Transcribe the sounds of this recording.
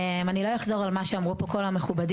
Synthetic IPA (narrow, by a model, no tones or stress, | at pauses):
manilojaχzo̞ʁalmaʃeamʁupo̞ko̞lameχubad